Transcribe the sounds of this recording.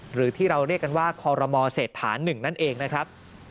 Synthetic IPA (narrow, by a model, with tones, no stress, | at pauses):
ɾɯː˩˦t̪ʰiː˥˩ɾa˧wɾi˥˩kːa˧nwaː˥˩kʰɔː˧ɾɔ˧mɔː˧seː˨˩t̪ʰːaː˩˦nːɯ˨˩ŋna˦˥˩nʔeː˧ŋna˦˥kʰɾa˦˥p̚